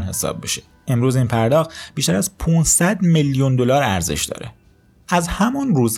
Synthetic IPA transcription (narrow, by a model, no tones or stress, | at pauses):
nɦe̞sɒ̰ːbːeʃe̥ | e̞mɾuːziːnpʰæɾd̪ɒːxt̪b̥iʃt̪æɾæzpʰuːnsæd̪meljund̪o̞lɒːɾæɾze̞̰ʃd̪ɒ̰ːɾe̞̰ | æzhæmunruːz